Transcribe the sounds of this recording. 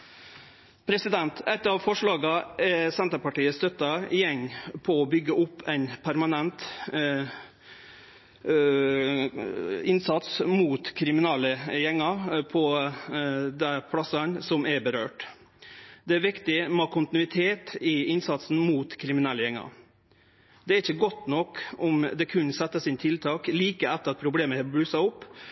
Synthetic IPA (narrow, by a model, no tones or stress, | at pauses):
pʰɾɛsɪd̪ɛnt̪ɛt̪ɑʋfɔʂɭɑːɡəʔɛsɛnt̪əpɑʈiːəst̪œt̪ːɑjɛŋːpʰɔɔbʏɡːəʔʊpːɛɪnpʰæɾmɑnɛnt̪ | ɪnsɑt̪smuːt̪kʰɾɪmɪnɑːləjɛŋːɑpʰɔ | d̪æpʰlɑsɑnsɔmɛbəɾøːʈ | d̪ɛæɾʋɪkt̪ɪmɑkʰʊnt̪ɪnʉɪt̪ʰeːt̪ɪɪnsɑt̪sn̩muːt̪kʰɾɪmɪnɛlːəjɛŋːɑ̰ | d̪ɛæɾɪçːəɡɔt̪ːnɔkɔmd̪ɛkʰʉnsɛt̪ːəsɪnt̪ʰɪlt̪ʰɑːkliːkəɛt̪ːəɾɑt̪̚pʰɾʊbleːməɛbɾʉːsɑʊpː